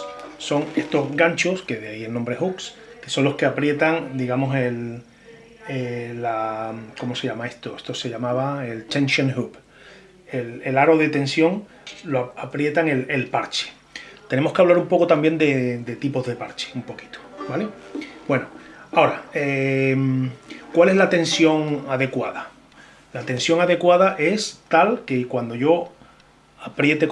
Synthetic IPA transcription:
so̞ŋe̞st̪ozɡaɲt͡ʃoske̞ðeaie̞lnombɾehuks | ke̞so̞nlo̞ske̞apɾje̞t̪aŋd̪iɣamo̞se̞l | elako̞mo̞se̞ʎamae̞st̪o̞e̞st̪o̞se̞ʎamaβae̞lt̪ẽ̞nsjoŋhup | elelaɾo̞ð̞e̞t̪e̞nsjo̞ŋ | loapɾje̞t̪aŋe̞lelpaɾt͡ʃe̥ | t̪e̞ne̞moskeaβlaɾumpo̞kot̪ambje̞nd̪e̞d̪e̞t̪ipo̞zðe̞paɾt͡ʃe̥umpo̞ki̥t̪o̥balebwe̞noao̞ɾaemkwale̞zlat̪ẽ̞nsjo̞ŋaðe̞kwaða | lat̪e̞nsjo̞ŋaðe̞kwað̞aʔe̞st̪alkekwand̪o̞ʝo̞ | apɾje̞t̪ek

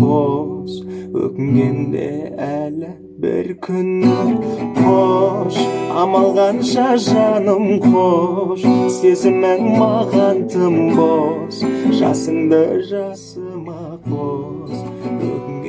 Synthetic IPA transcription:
ozwɵ̰kʲɪŋɡʲe̞nd̪e̞̰ælɪ | bɪ̰ɾkʲʰʏnːɪqʰoʃɑmɑlˠʁɑnʃɑʒɑnəmqʰoʃse̞zɪmɪŋmɑʁɑnt̪ʰəmbosʒɑ̰səɴd̪əʒɑsəmɑ | qʰo | zwɵ̰kɪŋ

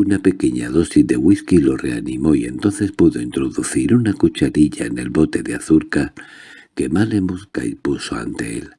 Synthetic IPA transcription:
unape̞ke̞ɲa̰ðo̞sizd̪e̞ɣwiskilo̞re̞animo̞ie̞nt̪o̞nθe̞spuðo̞int̪ɾo̞ðuθiɾunakut͡ʃaɾiʎaene̞̰lβo̞t̪e̞ðeaθuɾka | ke̞malemoskaipusoa̰nt̪e̞̰ḛl

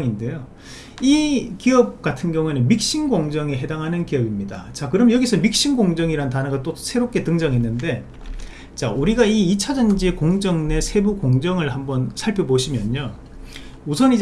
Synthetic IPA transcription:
ŋinde̞jo | ikiʌp̚k͈atʰɯnɡjʌŋue̞nɯnmik̚ɕ͈inɡoŋd͡ʑʌŋeɦe̞daŋɦanɯnkiʌbimɲida̰t͡ɕakɯɾʌmjʌjʌɡisʰʌmik̚ɕ͈inɡoŋd͡ʑʌŋiɾanɯntanɯɡat͈osʰe̞ɾop̚k͈e̞tɯŋd͡ʑʌŋɦe̞nːɯnde̞ | t͡ɕauɾiɡaiːt͡ɕʰad͡ʑʌnd͡ʑikoŋd͡ʑʌŋne̞sʰe̞bukoŋd͡ʑʌŋɯɭhambʌnsʰaɭpʰjʌboɕʰimjʌɲːo | usʰʌnid͡ʑ

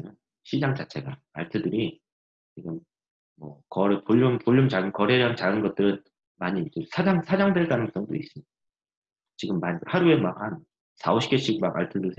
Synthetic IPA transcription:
nɯn | ɕʰid͡ʑaŋt͡ɕat͡ɕʰe̞ɡa | a̰ɭtʰɯdɯɾi | t͡ɕiɡɯmː | ʌ̰kʌɾɯpoʎːumpuʎːumt͡ɕaɡɯnkʌɾeɾamt͡ɕaɡɯnɡʌt̚t͈ɯɾɯn | maɲit͡ɕ͈ɯsʰad͡ʑaŋsʰad͡ʑaŋdwe̞ɭt͈anɯŋs͈ʌŋdoḭs͈ɯmɲid̥a | t͡ɕiɡɯmːaɲihaɾue̞maɡhan | sa̰oɕʰi̥k͈eɕ͈ʰiɡmaɡa̰ɭtʰɯdɯɭsʰe

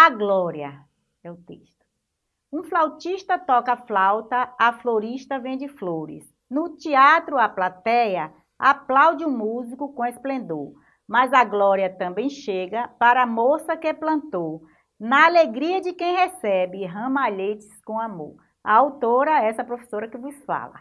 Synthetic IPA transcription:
aɡlɔɾiɐ | ɛʊt̪ḛʃt̪ʊ̥ | ũflawt͡ʃiʃt̪ɐt̪ɔkaflawt̪ɐːfloɾiʃt̪ɐvẽj̃d͡ʒɪfloɾɪ̰s | nʊt͡ʃiat̪ɾʊaplat̪ɛjɐ | aplawd͡ʒɪũmuzikʊkõesplẽnd̪oɾ | mɐzɐɡlɔɾiɐt̪ɐ̃mbẽj̃ʃeɡɐpaɾɐːmosɐkɪɛplɐ̃nt̪o | nɐaleɡɾiɐd͡ʒɪkẽj̃ɦɛsɛbɪɦɐ̃maʎet͡ʃɪ̥skõamo̰ɾ | ɐ̰awt̪oɾɐɛsɐpɾofe̥soɾɐkɪvʊsfa̰lɐ̰

